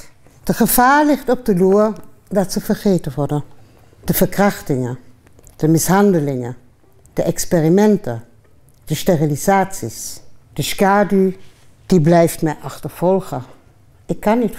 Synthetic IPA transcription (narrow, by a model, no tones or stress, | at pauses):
d̥əχəv̥aːɹlɪχtɔb̚dəlurdɑtsəvəɹχeːtəʋɔɹdə | d̥əv̥əɹkrɑχtɪŋə | d̥əmɪsɦɑndəlɪŋə | d̥əʔɛksperimɛntə | d̥əsterilizaːtsisd̥əskaːdy | d̥iblɛjftmɛjʔɑχtəɹv̥ɔlˠχə | ɪkːɑnːit